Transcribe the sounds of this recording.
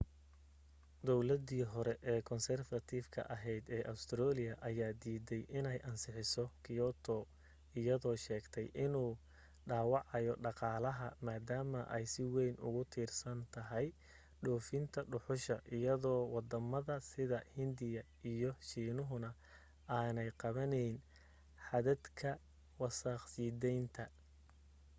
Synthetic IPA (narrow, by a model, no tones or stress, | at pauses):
d̪ɔwlɐd̪iːɦɔɾɛʔɛːkʰɔnsɛrfɐt̪ʰifkʰɐ̰ʔɐɦɛjd̪ɛːʔɐʊst̪ʰɾɔːlɪjɐʔɐjaːd̪iːðɛjʔɪnɛjʔɐnsɪħɪsɔkʰɪɔːt̪ʰɔ | ɪjɐðɔːʃɛːɡt̪ʰɛjʔɪnuː | ɖaːwɑʕɑjɔɖɑqɑːlɐɦɐmaːd̪aːmɐʔɛjsɪwɛjnʊ̰ɣʊt̪ʰiːrsɐnt̪ʰɐɦɛj | ɖɔːfɪnt̪ʰɐɖʊħʊʃɐ̰ʔɪjɐðɔːwɑd̪ɐmɐðɐsɪðɐhɪnd̪ɪjɐ | ijɔʃiːnʊɦʊnɐ | ʔaːnɛjqɑβɐnɛjn | ħɑðɐd̪kʰɐ | wɑsɑqsiːd̪ɛjnt̪ʰɐ